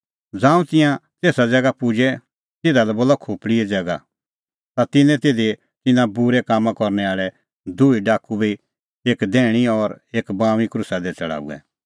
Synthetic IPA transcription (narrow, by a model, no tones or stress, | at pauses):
d͡zãːũt̪ɪ̃jãt̪eːsad͡zɛɡapʊd͡ʒɛ | t̪ɪd̪alɛboːlakʰʊːpɽiɛd͡zɛɡa | t̪at̪ɪnːɛ̃t̪eːd̪e | t̪ɪnãbuɾɛkaːmːãkɔɾnɛaːɭɛ | d̪uiɖaːkubi | eːkd̪ɛːɽ̃iɔɾeːkbãːʋ̃ikɾʊsad̪ɛt͡sɐɭa̰ːṵɛ̰